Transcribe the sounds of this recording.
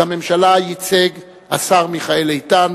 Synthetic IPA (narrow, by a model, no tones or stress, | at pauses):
ame̞mʃalajit͡seɡ | a̰saʁmiχaelejtan